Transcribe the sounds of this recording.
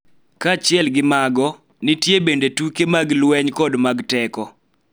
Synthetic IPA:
kat͡ʃɪɛlɡɪmaɡɔ | nɪtjebendetukemaɡlwɛɲkɔdmaɡtɛkɔ

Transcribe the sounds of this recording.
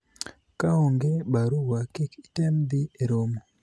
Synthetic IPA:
kaoŋɡebaɾuwakɪkitemd̪ɪeɾomo

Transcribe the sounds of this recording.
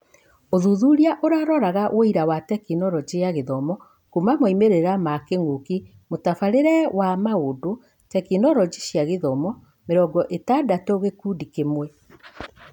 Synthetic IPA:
oðuðuɾiaʔoɾaɾɔɾaɣawʔoiɾawatɛkinɔɾɔd͡ʑeaɣeðɔmɔ | kumamoimeɾeɾamakeŋɡoki | motafaɾeɾɛwamaodo | tɛkinɔɾɔd͡ʑiʃjaɣeðɔmɔ | meɾɔɡɔʔetadatoɣekudikemwɛ

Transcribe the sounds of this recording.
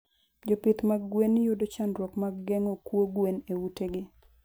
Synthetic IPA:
d͡ʒopɪt̪maɡɡwenːɪjudot͡ʃanɾwɔkmaɡɡɛŋokwoɡwenewuteɡɪ

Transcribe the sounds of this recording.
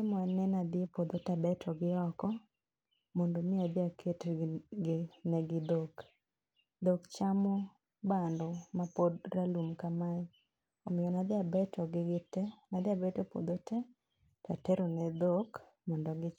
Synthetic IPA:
ɪmanɛnad̪ɪepod̪otabɛtʰɔɡɪɔkɔ | mɔndomɪad̪ɪakʰetɡɪnɛɡɪd̪ok | d̪okt͡ʃamɔ | bandɔmapodralumkama | omɪjɔnad̪ɪabɛtʰɔɡɪɡɪtɛnad̪ɪabɛtɔpo̰d̪otʰɛ | tatɛɾonɛd̪ok | mɔndɔɡɪ

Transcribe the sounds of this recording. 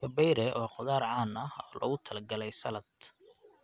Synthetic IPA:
ɐbɛjɾɛːʔɔːqʊðaːɾʕɑːnɐhɔːlʔɔ̰ɣʊt̪ʰɐlɐɡɐlɛjsɐlɐd̪

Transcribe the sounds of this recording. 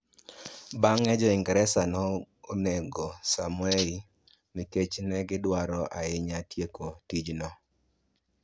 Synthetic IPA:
baŋɛd͡ʒɔɪŋɡɛɾɛsanɔ | onɛɡɔsamʊɛi | miket͡ʃnɛɡɪdwaɾɔʔaɪɲatjekotid͡ʒnɔ

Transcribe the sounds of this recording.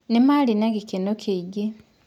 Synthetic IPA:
nemalinaɡikinokʰeɟi

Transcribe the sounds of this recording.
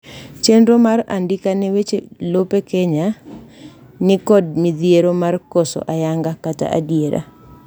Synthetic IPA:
t͡ʃenɾomara̰ndɪkanɛwet͡ʃelopekeɲa | nɪkɔd̚miðjeɾomarkosɔ̰ʔajaŋɡakata̰ʔa̰djeɾa̰

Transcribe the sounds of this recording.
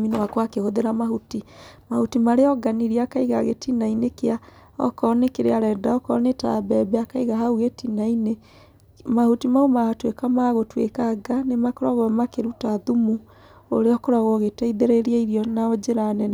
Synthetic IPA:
minawakwakehoðeɾamaɦutimahutimaɾeɔɡaniɾiakaiɣaɣḛtinainekea | ɔ̰kɔnekeɾeaɾɛdaɔkɔneta̰bɛbɛakaiɣaɦauɣetinaine | mahutimaumaatwekamaɣotwḛkaɡanemakɔɾaɣɔɛmakeɾutaðumu | o̰ɾeɔkɔɾaɣɔɣetaiðeɾeɾiaiɾiɔnaod͡ʒeɾanɛn

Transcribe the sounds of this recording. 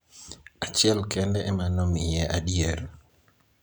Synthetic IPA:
at͡ʃjɛlkɛndɛʔːmanomjɛʔaɗieɾ

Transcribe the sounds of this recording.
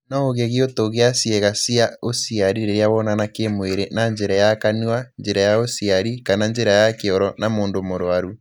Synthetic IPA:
nɔoɣeɣeotoɣeasjɛɣasiaosiaɾiɾeɾeaβɔnanakemweɾenaɲd͡ʒeɾajakanuaɲd͡ʒeɾajaosiaɾikananɲd͡ʒeɾajakeɔɾɔnamoːndomoɾwaɾu

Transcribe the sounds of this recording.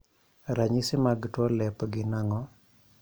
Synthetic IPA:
ɾaɲisɪmaɡtwɔlɛpɡɪnaŋɔ

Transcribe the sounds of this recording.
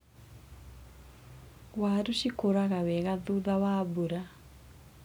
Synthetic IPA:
waːɾuɕikoɾaɣawɛɣaðuðawaːbuɾa

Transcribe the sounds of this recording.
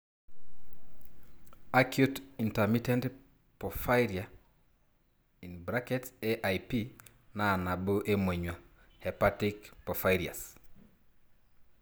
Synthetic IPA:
akjutintɛmitɛnt | pɔfajɾia | inbɾakɛteʔajpi | nanaboʔemweɲwa | hɛpatikpɔfajɾia̰s

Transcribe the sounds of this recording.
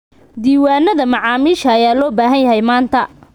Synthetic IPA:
d̪iːwaːnɐðɐmɑʕɑːmiːʃɐːjaːlɔːbaːɦɐnjɐɦɛjmaːnt̪ʰɐ

